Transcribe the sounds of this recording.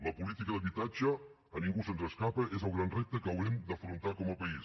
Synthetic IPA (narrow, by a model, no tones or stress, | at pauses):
ləpulit̪ikəðəβit̪ad͡ʒəː | niŋɡusənzəskapəʔezəlˠɣɾanrep̚t̪əkəwɾɛmd̪əfɾunt̪akɔməpəis